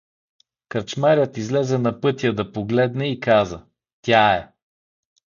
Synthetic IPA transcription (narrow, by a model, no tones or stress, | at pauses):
kɐɾt͡ʃmaɾʲət̪izlɛzɛnɐpɤt̪ʲijəd̪ɐpoɡlɛd̪nɛikazə | t̪ʲaɛ